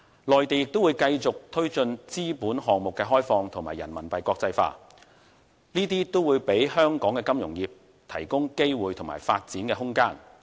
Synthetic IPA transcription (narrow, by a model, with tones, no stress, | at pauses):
lɔː˨jt̪e˨jɪ˨k̚t̪o˥wːjkɐ˧jt͡sʊ˨k̚t̪ʰɵ˥ɥt͡sɵ˧nt͡siː˥puː˨˥nɦɔː˨ŋmʊ˨kːɛː˧ɦɔː˥jfɔː˧ŋt̪ʰʊ˨˩ŋmaː˨˩jːɐ˨˩nmɐ˨˩npɐ˨jkʷɔː˧k̚t͡sɐ˧jfa̰ː˧ | niː˥t̪iː˥t̪o˥wuː˨˧jpe˨˥jhœː˥ŋkɔː˨˥ŋkɛː˧kɐ˥mjʊ˨˩ŋjiː˨p̚ | t̪ʰɐ˨˩jkʊ˥ŋke˥jwuː˨˧jt̪ʰʊ˨˩ŋma̰ː˨˩jfaː˧t̚t͡siː˨˥nkɛː˧ɦʊ˥ŋkaː˥n